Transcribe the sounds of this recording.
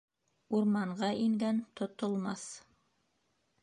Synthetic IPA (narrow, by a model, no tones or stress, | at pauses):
uɾmɑɴʁɑʔiŋɡænt̪ŏt̪ŏlˠmɑθ